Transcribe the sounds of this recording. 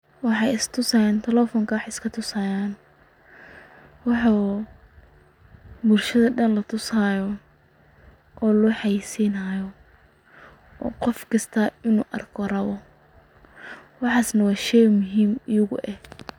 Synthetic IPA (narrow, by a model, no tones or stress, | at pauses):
wɑħɑjɪst̪ʰʊsɐːjaːnt̪ʰɐlɛfɔːŋkʰɐwɑħɪskʰɐt̪ʰʊsɐjaːn | wɑħu | bʊlʃɐðɐɖɐnlɐt̪ʰʊsajɔ | ʔɔːlʊħɑjsiːnajɔ | ɔ̰ːqɔfkʰɐst̪ʰaɪnuːʔɐ̰rkʰɔrɐβɔ | wɑħɑːsnɐwɑːʃɛjmʊɦiːmɪjʊɣʊ̰ʔɛh